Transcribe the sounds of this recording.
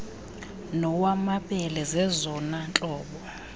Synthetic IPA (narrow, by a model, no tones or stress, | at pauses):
nɔwamaɓɛlɛzɛzɔnant͡ɬʼɔːɓɔ